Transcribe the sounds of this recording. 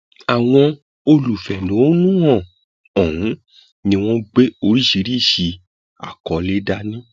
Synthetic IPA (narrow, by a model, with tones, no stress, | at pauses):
a˨w̃ɔ̃˧ | o˧lu˨fɛ˨nũ˨˦nũ˦ɔ̃˦˨ | ɔ̃˨ũ˨˦ | nĩ˧w̃ɔ̃˦ɡ͡be˦o˧ɾi˦ʃi˧˦ɾi˦˨ʃi˧ | a̰˨kɔ˨˦le˦da˦nĩ˦